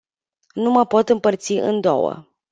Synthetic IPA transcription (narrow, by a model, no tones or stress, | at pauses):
numəpo̞t̪ɨmpərt̪siʔɨ̰nd̪o̰wə̰